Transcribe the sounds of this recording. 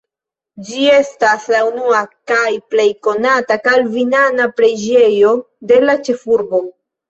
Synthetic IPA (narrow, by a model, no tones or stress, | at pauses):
d͡ʒie̞staslaunuakajple̞jko̞natakalvinanapɾe̞d͡ʒe̞jo̞ | de̞lat͡ʃe̞fuɾbo̞